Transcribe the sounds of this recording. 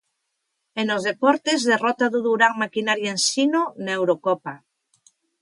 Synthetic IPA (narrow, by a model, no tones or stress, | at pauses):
enozðepɔɾt̪ezðerɔt̪aðuðuɾaŋmakinaɾjaensinonewɾokɔpa